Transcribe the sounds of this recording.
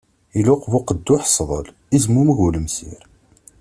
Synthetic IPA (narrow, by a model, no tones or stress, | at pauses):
iluqvʊqəd̪ːʊħsˤðˤə̰l | izmuməɣuləmsḭɾ